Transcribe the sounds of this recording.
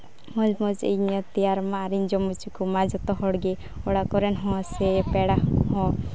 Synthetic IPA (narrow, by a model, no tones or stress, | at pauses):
mɔd͡ʒmɔt͡ʃḭɲɔt̪ijaɾmaːɾind͡ʒɔmut͡ʃikumad͡ʒɔt̪ɔɦɔɽɡe | ɔɽakɔɾɛnɦɔ̃sepɛɽahɔ̃